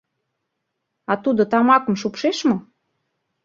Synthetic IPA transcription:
ɑt̪ud̪ot̪ɑmɑkə̆mʃupʃeʃmɤ̆

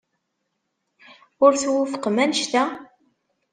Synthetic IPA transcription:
ʊɾθwufə̥qəmænəʃt̪æ

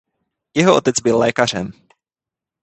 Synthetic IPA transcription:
jɛɦoʔot̪ɛd͡zbɪlːɛːkar̝ɛm

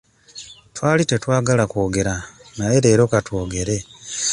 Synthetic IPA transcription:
twaːlitetwaːɡalakwo̞ːɡe̞ɾanajeɾe̞ːɾo̞katwoːɡe̞ɾe̞

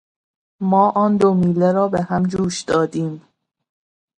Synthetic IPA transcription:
mɒːʔɒːnd̪omiːleɾɒːbe̞hæmd͡ʒuːʃd̪̥ɒːd̪iːm

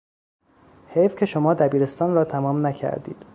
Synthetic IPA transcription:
hejfcʰe̞ʃomɒːd̪æbiːɾe̞st̪ɒːnrɒːt̪ʰæmɒːmnæcʰæ̰ɾd̪ḭːd̪̥

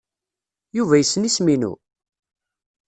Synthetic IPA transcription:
juvæjəsːənisminṵ

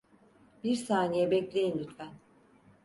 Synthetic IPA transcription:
biɾsaːnijɛbɛclʲejind̪ut̪kʰan

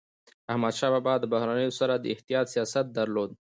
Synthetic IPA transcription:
ahmad̪ʃɑbabɑd̪ːəbahɾɑnəjosaɾad̪əɪht̪ijɑt̪sijɑsat̪̚d̪aɾlod̪

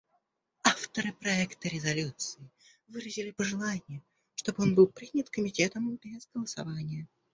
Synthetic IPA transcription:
aft̪əɾɨpɾɐɛkt̪əɾʲɪzɐlʲut̪sɨɪ | vɨɾəzʲɪlʲɪpəʐɨlˠanʲɪjə | ʂt̪o̞bɨo̞nbɨlˠpɾʲinʲɪt̪kəmʲɪtʲet̪əmbʲezɡəlˠəsɐ̰vanʲɪjə

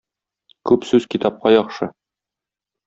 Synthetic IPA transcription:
kʉpsʉz̥kit̪ɑp̚qɑjɒχʃɤ

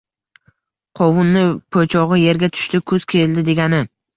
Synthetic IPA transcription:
qʰɒvʊnːɪpʰojt͡ʃʰɒʁɨje̞ɾɡʲat̪ʰʊ̥ʃt̪ɪkʰɵz̥kʲʰe̞ld̪ɪd̪e̞ɡʲanɪ

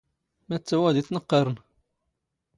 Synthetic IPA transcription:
mæt͡sːæwæd̪it̪nəqːɑɾˤən

